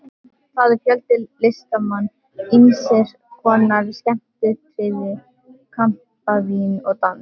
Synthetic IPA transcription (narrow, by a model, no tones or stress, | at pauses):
θaðɪɾfjœlt̪ɪːest̪amanː | insɛɾ̥ | kʰvɔːnːaɾscɛm̥t̪ɪtʰɾɪvɪ | kʰam̥ | pavinɔɣt̪anː